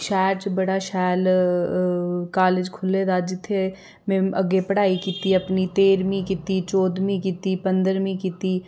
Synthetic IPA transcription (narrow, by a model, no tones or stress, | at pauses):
ʃɛːɾt͡ʃbɐɽaʃɛːl | kaːled͡ʒkʰʊled̪ad͡ʒɪt̪ʰːe | mẽɐɡepɐɽaːikiːt̪iɐpnit̪eːɾmĩkit̪it͡ʃɔːd̪mĩkit̪ipɐ̃nd̪əɾmĩkit̪i